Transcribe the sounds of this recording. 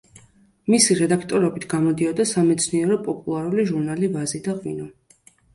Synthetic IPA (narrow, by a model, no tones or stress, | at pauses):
misiɾɛd̪akʰt̪ʼɔɾɔbit̪ʰɡ̥amɔd̪iɔd̪asamɛt̪sʰniɛɾɔpʼɔpʼulˠaɾuliʒuɾnalivazid̪aqʼwinɔ